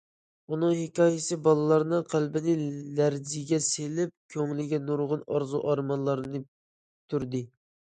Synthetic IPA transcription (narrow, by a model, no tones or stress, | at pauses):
unɨŋhɪkʲɑːjɪsɨbɑlˠɨlˠɑɾnɨqʰælbɪnɪlæɾzɪɡʲɛselɪp̚kʲʰøŋlɪɡʲɛnuɾʁʊnɑɾzuʔɑɾmɑnlˠɑɾɨnɨ | t̪ʰyɾd̪ɪ